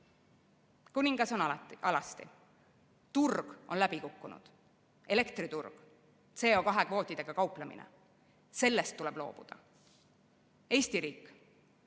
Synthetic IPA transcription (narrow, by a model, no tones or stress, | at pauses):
kunʲiŋɡ̥ɑso̞nɑɑlɑst̪ḭ | t̪urɡ̥o̞nlæb̥ikukːunṵd̪̥ | e̞le̞kt̪rit̪urɡ̥̪ | se̞ːo̞kɑɦe̞kvo̞ːt̪ːˑid̪̥e̞ɡ̥ɑkɑuplɑmḭnḛ | se̞lːest̪ːule̞b̥lo̞̰ːb̥ṵd̪̥ɑ̰ | e̞ːsʲt̪iɾiːkː